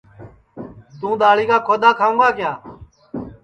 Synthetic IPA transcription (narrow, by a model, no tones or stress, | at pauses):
d̪ũːd̪aːɭiːkaːkʰoːd̪aːkʰaːũːɡaːkɪjaː